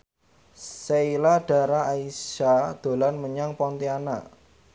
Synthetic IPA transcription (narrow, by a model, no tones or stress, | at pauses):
seilaɖ̥a̤ɾaaisad̪̥o̤lanməɲaŋpɔnt̪iana̰